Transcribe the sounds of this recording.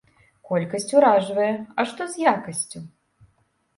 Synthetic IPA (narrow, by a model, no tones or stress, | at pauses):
kɔlʲkɐsʲt͡sʲuɾaʐvɐjɛɐʂt̪ɔzʲjakɐsʲt͡sʲu